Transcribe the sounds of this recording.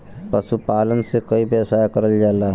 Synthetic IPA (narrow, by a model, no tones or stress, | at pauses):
pəsupaːlənsekəibesajkəɾəld͡ʒala